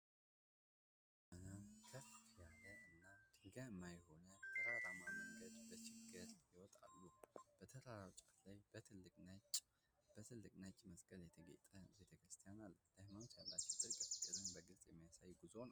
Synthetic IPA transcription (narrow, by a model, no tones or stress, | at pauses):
mənakʰəfjaləʔɨnːad̪ɨɡaɨmːajho̞nət̪ʰəɾaɾamaməŋɡəd̪bət͡ʃɪɡɨɾjɪwɔt̪ʼa̰lːub̥ət̪ʰəɾaɾawt͡ʃʼat̪lajbət̪ʰɨlːɨkʼnat͡ʃ | b̥ət̪ʰɨlːɨkʼnat͡ʃʼməsɡəljɛt̪ʰəɡḛt̪ʼəbe̞t̪ʰəkɾɨst̪ʰijanald̪̥ahmanot͡ʃ̪ːjalːat͡ʃːɪd̪ɨɾkʼəfɨkʼːɨɾɨnbəɡɨlsʼjɛmːajasajɡuzown